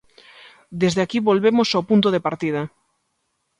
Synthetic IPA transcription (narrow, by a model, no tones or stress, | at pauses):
d̪ezðeakiβolβemosawpunt̪oðepaɾt̪ið̞ɐ